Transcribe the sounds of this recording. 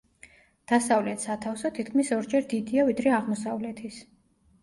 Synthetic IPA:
d̪̥asavlɛt̪sat̪ʰafsɔt̪ʰit̪̚kʰmisɔɾd͡ʒɛɾd̪id̪iavid̪ɾɛaʁmɔsavlɛt̪ʰis

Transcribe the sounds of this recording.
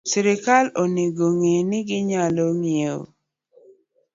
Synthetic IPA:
sɪɾɪkaloneɡoŋenɪɡɪɲaloŋieo̰

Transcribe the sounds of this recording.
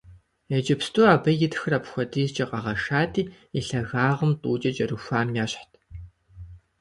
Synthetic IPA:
ɛd͡ʒʼɐpstʰʼuːaːbɐjɪtxɨrapxʷɔdʰiːzt͡ʃʼɐqʼɐʁɐʂaːtʰʼiː | iɬɐɣaːʁəmtʼuːt͡ʃʼɐt͡ʃʼɐruxʷaːmjaːɕħtʰ

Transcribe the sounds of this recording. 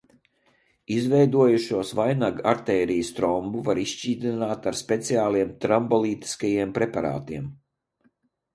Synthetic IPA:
izvɛjd̪uɔjuʃuɔsvajnaɡaɾt̪ɛːɾijəst̪ɾɔmbuvaɾiʃt͡ʃiːd̪ʲinaːt̪aɾspʲɛt̪siaːlˠiɛmt̪ɾambɔlˠiːt̪i̥skajiɛmpɾɛpaɾa̰ːt̪iɛm

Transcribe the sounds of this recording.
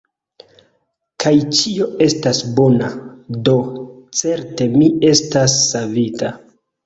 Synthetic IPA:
kʰajt͡ʃio̞e̞stasbo̞nado̞t͡se̞ɾte̞mie̞stasːavita

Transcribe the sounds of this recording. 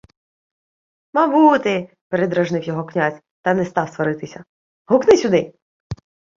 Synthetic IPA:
mɐbut̪ɪ | peɾed̪ɾɐʒnɪwjɔɦɔknʲazʲ | t̪ɐnɛst̪ɑwst̪ʋɐɾɪt̪ɪsʲɐ | ɦʊknɪsʲʊd̪ɪ

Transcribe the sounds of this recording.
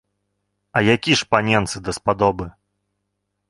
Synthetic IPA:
ɐjakʲiʂpanʲɛnt̪sɨd̪ɐspad̪ɔbɨ

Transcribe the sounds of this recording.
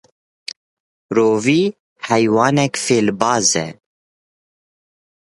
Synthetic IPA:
ɾoːviː | hɛjwɑːnɛkfeːlbɑːzɛ̰

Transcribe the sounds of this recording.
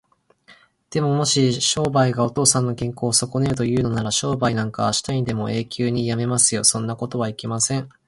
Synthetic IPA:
d̪̥e̞mo̞mo̞ɕiɕo̞ːbaiɡao̞t̪o̞ːsãnːo̞kẽ̞ŋko̞ːso̞ko̞neɾɯ̟t̪̬o̞jɯ̟ːno̞naɾaɕo̞ːbainãŋkaβaɕi̥t̪aĩnd̪e̞mo̞e̞ːkʲɨːɲ̟ijame̞masɨjo̞sõ̞nːako̞t̪o̞βaikʲemasẽ̞ŋ

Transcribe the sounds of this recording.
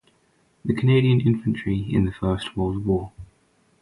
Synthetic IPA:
ðəkʰəneɪɾiə̃nɪ̃ɱfə̃nt͡ʃɹ̥iɪ̰̃nðəfɜˑstʰwəːlˠdwɔː

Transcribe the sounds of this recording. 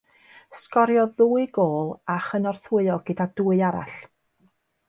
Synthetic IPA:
skɔɾjɔðuːɨɡoːlˠaχənɔrθʊɨɔɡ̥ɪdaduːɨaɾa̰ɬ

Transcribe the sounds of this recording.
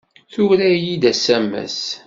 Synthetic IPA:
θʊɾæjid̪æsæmːæ̰s

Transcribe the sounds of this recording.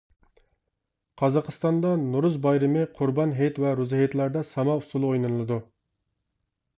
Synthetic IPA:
qʰɑzɑqʰəst̪ɑnd̪ɑnuɾuzbɑjɾɨmɨqʰʊɾbɑnɦejt̪vɛɾuzhjet̪læɾd̪ɛsɑmɑusulˠɨojnɨnɨlˠɨd̪u

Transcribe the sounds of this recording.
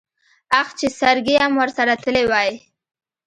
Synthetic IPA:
axt͡ʃesaɾɡeamwəɾsaɾat̪əlewaji

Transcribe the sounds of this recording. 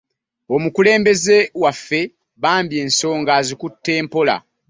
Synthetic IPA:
o̞mukule̞ːmbe̞zewafːe̞ | βaːmbje̞ːnso̞ːŋɡaːzikutːe̞ːmpo̞la̰

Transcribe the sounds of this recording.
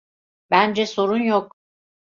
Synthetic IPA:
b̥ænd͡ʒɛso̞ɾunjok̚

